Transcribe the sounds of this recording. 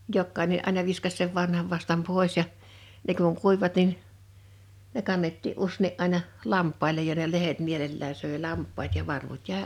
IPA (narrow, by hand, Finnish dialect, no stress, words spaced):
jokːɑineʔ ʔɑˑinɑ ʋiskɑs seʋ ʋɑnhɑʋ ʋɑstɑm poˑe̝s jɑ ne kuŋ kuiʋ̆ĭʋɑt nin ne kɑnːetːiʔ ʔusːeˑniʔ ʔɑˑinɑ lɑmpˑɑilej jɑ ne lehet mielelːæː søˑe lɑmpˑɑːt jɑ ʋɑrʋut jæˑe